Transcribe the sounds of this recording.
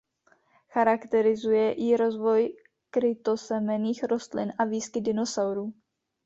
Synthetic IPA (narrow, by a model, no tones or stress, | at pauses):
xaɾakt̪ɛɾɪzujɛʔɪɾo̞zvo̞j | kɾɪt̪osɛmɛniːxɾo̞st̪lɪ̰nʔaviːskɪdɪnosawɾuː